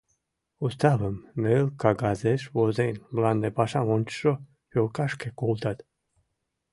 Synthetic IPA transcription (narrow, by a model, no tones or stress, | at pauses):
ust̪avəmelkaɡazeʃvozenʲbland̪epaʃamonʲt͡ʃʃo | folkaʃkekolt̪at̪